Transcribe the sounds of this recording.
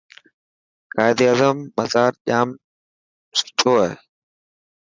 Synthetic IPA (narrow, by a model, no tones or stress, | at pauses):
kaːɪd̪iaːzəmːəzaːɾʄaːm | sʊ̥t͡ʃʰoːaɦeː